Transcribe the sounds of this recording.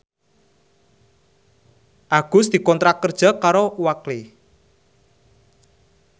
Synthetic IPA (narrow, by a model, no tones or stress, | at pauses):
ʔaɡ̥ʊ̤sd̪̥i̤kɔnt̪ɾakərd̥ʒ̥a̤kaɾowakle